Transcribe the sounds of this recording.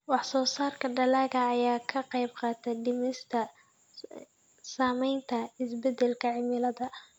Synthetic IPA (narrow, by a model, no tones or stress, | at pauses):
wɑħsɔːsaːrkʰɐɖɐlaːɣɐːjaːkʰɐqɑjbqɑːt̪ʰɛɖɪmɪst̪ʰɐ | saːmɛjnt̪ʰɐɪsbɛd̪ɛlkʰɐʕɪmɪlɐðɐʔ